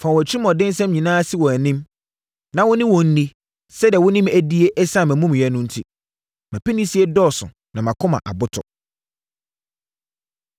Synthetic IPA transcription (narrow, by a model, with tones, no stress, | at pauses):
fã˨wɔ˨t͡ɕʰi˦i˦mɔ̃˨dɪ̃˦n˦sɛ̃˦mɲĩ˨nãː˦a˦sɪ˦wɔ˨æ˨nɪ̃˦m | nã˨wʊ̃˦nɪ̃˦wɔ̃˨n̩˦nĩ˦ | sɛ˦di˨ɛ˨wʊ̃˦nɪ̃˦mæ˨di˦e˦ʔɛ˦sã˦˨mæ̃˨mũ˦m˨ɛ˦nʊ̃˦n̩˦tʰi˦ | mæ̃˨pɛ˦nĩ˦si˦e˦dɔː˦˨sʊ̰̃˨ | nã˨mã˨kʰʊ̃˦mã̰˨ʔa̰˨bʊ˦tʰɔ̰˨